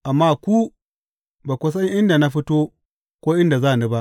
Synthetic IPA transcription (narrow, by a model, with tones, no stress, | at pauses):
ʔa˨mːaː˦kʷu˦ | baː˨kʷʊ˦s̬ɐ˦ɲʔɪ˦nda˨na˦ɸi˦toː˦ | kʷoː˦ʔɪ˦nda˨zaː˦˨nu˦ba˦ʔ